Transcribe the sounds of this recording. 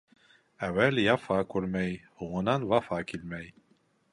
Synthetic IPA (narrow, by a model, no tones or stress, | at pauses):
æwæljɑfɑkʰuɾmæjhuwɤnɑnvɑfɑkʰilmæj